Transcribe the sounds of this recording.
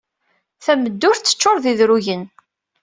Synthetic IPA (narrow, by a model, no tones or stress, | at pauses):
θæməd̪ːʊɾt͡sːə̥t͡ʃːoɾˤðiðɾuʝən